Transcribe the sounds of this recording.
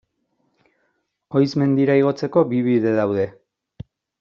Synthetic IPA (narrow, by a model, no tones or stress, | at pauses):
o̞jsme̞nd̪iɾaiɣ̞o̞t͡se̞ko̞biβiðe̞ðawðe̞